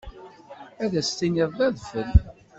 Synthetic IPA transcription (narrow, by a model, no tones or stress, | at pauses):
æðæst̪iniðˤðæðfəl